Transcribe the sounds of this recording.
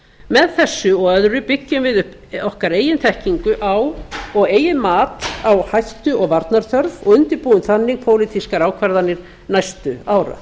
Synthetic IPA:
mɛðθɛsːʏɔɣœðɾʏpɪcːʏmvɪðʏhp | ɔhkaɾeːjɪnt̪ʰɛhciŋkʏʔawɔɣeːjɪmaːt̪awhajht̪ʏʔɔɣvaɾt̪naɾ̥θœɾvɔɣʏnt̪ɪɾpuːʏnθanːɪɣpʰoːwlɪt̪ʰiskaɾaːwkʰvɛɾðanɪɾ̥ | najst̪ʏaːwɾa̰

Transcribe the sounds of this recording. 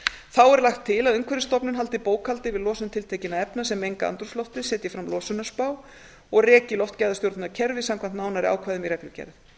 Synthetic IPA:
θawɛɾlaxt̪ʰːɪlaðʏŋkʰvɛɾɪst̪ɔpnʏnɦalt̪ɪpoːwkʰalt̪ɪvɪðlɔːsʏmt̪ʰɪlt̪ʰejcɪnaðɛpnasɛmejŋkaa̰nt̪ɾuslɔwft̪ɪsɛːt̪jɛfɾamlɔːsʏnaspaːw | ɔɣrɛːcɪlɔft̪cajðast̪jowɾt̪naɾcʰɛɾvɪsamkʰvant̪naːwnaɾɪa̰ːwkʰvajðʏmirɛklʏcɛ̰jɾð

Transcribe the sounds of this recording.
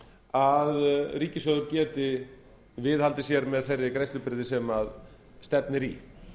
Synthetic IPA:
aðriːcɪsœðʏɾcɛːt̪ɪ | vɪðhalt̪ɪs̬jɛɾmɛðθejrːɪkɾejst̪ʏpɪɾðɪsɛmað | st̪ɛpnɪɾi

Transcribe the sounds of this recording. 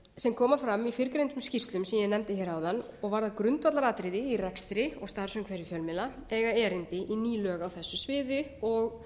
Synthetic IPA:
sɛmkʰɔːmafɾamifɪɾkɾejnt̪ʏmscirst̪lʏmsɛmjɛnɛmt̪ɪçɛːɾaːwðan | ɔɣvaɾðaðkɾʏnt̪vat̪laɾaːt̪ɾɪðɪiɾɛkst̪ɾɪɔ̰ɣst̪aɾ̥sœŋkʰvɛɾɪfjœlmɪlaɛɣaɛːɾɪnt̪ɪʔiniːlœːɣawθɛsːʏsvɪːðɪɔɣ

